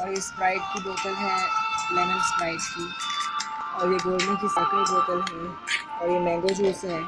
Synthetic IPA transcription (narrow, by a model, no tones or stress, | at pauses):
ɔːɾjɪspɾaːɪʈ̚kiboːkəlɦɛlɛmə̃nspɾaːɪʈki | ɔːɾjeɡoːɾnẽkisaːkaboːk̪əlɦɛ̃ | ɔːɾjemɛ̃ːŋɡod͡ʒoːsɦɛː